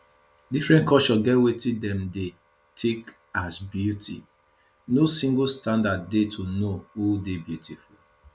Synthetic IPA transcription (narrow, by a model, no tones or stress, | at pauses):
difɹɛ̃nkɔt͡ʃɔɡɛwetidɛ̃mde | tʰek | asbjutʰḭ | nosĩŋɡstãndad̚ːetʰonoudebjutʰiful